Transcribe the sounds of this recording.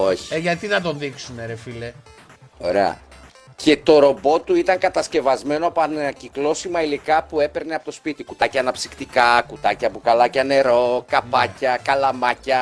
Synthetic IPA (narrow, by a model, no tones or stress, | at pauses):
oçi̥eʝɐt̪iθɐt̪o̞nðiksuneɾefile | o̞ɾe̞ɐ̰ | ce̞t̪o̞ɾo̞bo̞t̪uit̪ɐŋkɐt̪ɐsce̞vɐzme̞noɐpoɐneɐciklo̞simɐilikɐpue̞pe̞ɾneɐpo̞t̪ospit̪ikut̪ɐcɐːnɐpsikt̪ikɐkut̪ɐcɐpukɐlɐcɐne̞ɾo̞kɐpɐcɐkɐlɐmɐcɐ